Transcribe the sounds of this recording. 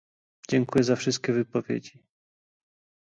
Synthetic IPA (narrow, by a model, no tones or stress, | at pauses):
d͡ʑɛŋkujɛzafʂɘst̪̚kʲɛvɘpɔvʲjḛd͡ʑi